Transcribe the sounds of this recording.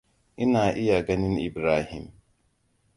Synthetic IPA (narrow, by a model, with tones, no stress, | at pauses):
ʔi˦naː˨ʔi˦ja˨ɡɐ˦nɪ˦nḭ˨bɾaː˦hi˨m